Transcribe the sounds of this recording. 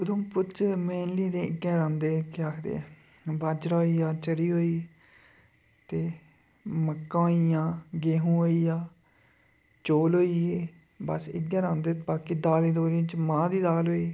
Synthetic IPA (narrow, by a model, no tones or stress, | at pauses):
əd̪õːpʊt͡ʃmeːnliːd̪ẽːɪɡɛːɾãːnd̪eːkɪaːkʰd̪ḛː | bad͡ʒɾaːiːaːt͡ʃəɾiːɦoːiː | t̪eː | məkːãːɦoːiːjãːɡeːɦũːɦoːiːaː | t͡ʃoːlɦoːiːeː | bəsɪ̰ɡãːɾãːnd̪eːbaːkiːd̪aːld̪iːd̪oːlĩːt͡ʃmãːd̪iːd̪aːlɦoːiː